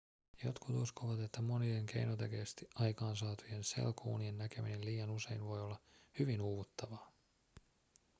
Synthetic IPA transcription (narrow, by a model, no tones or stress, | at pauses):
jo̞̰t̪kut̪uskoʋɑt̪e̞t̪ːæmo̞nie̞ŋke̞̰jnot̪ekeːst̪iʔɑjkɑːnsɑːt̪uje̞nse̞̰lkʰṵːnie̞nːæke̞mine̞lliːjɑnuse̞inʋo̞jo̞lːɑhyʋinuːʋut̪ːɑʋɑː